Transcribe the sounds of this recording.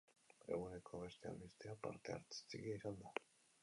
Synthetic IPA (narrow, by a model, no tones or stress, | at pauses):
e̞̰ɣune̞kʰo̞β̞e̞st̪ea̰mbist̪eapa̰ɾt̪ea̰ɾt͡se̥t͡seɣiisand̪a